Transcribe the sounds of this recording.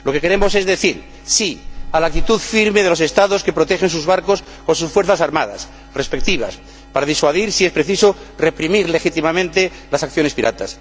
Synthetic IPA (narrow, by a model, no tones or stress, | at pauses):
lo̞ke̞ke̞ɾe̞mo̞se̞zðe̞θiɾ | sialak̚t̪it̪uðfiɾme̞ð̞e̞lo̞s̬e̞st̪aðo̞ske̞pɾo̞t̪exens̬uzβaɾko̞s | ko̞ns̬usfweɾθasaɾmaða̰s | re̞spek̚t̪iβ̞a̰s | paɾaðiswaðiɾsiespɾe̞θisore̞pɾimiɾle̞xit̪imamẽnt̪e̞ | lasakθjo̞ne̞spiɾʔa̰t̪as